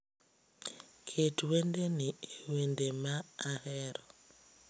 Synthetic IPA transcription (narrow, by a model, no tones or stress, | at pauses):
kʰetwendenɪwendemaːhɛɾɔ